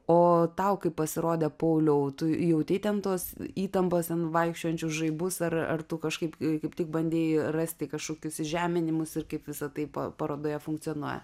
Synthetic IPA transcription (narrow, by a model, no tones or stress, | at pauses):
oːt̪ɐʊkɐɪppːɐsʲɪɾoːd̪ʲɛːpoʊlʲɛʊt̪ʊjɛʊt̪ʲɛɪt̪ʲɛnt̪oːsiːt̪ɐmpoːst̪ʲɛnʋɐɪkʃʲt͡ʃʲoːjɛnʲt͡ʃʲʊsʒɐɪbʊsɐrɐ̰rt̪ʊkɐʃkɐɪpkɐɪpt̪ʲɪk̚bɐnʲd̪ʲeːjrɐsʲt̪ʲɪkɐʃkoːkʲʊsʒʲæːmʲɪnʲɪmʊsɪrkɐɪpʋʲɪsɐt̪ɐɪpɐ̰pɐɾoːd̪oːjɛfʊŋktt͡s̪ʲɪonuɔjɛ̰